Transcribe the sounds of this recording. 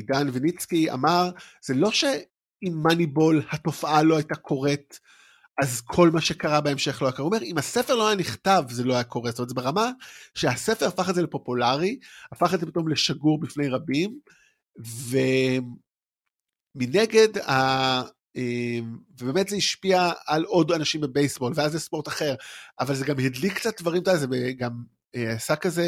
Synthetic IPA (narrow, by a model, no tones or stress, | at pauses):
danvinit͡skia̰maʁz̥elo̞ʃe̞ | imːanibo̞lhato̞faʔalo̞ajtakʰo̞ʁe̞t | azkʰo̞lmaʃe̞kaʁabeemʃe̞χlojakaomeʁimhasefeloajaniχtavzelo̞ajako̞ʁestomtzebeʁamaʃeasefeʁafaχedzelepo̞pulaʁiafaχetzepit̪o̞mle̞ʃaɡuʁbifne̞jʁabim | ve | mineɡe̞da | emvebe̞ːmetzeiʃpiaːlo̞danaʃimbe̞bejsbo̞lveazːespo̞ʁtaχeʁavalzeɡamhidlikt͡sat̚dvaʁimtaazebeɡam | asakaze